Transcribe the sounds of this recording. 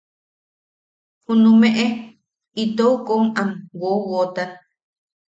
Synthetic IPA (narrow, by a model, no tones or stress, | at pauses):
hũnũmẽʔe | it̪oukoŋamwowot̪a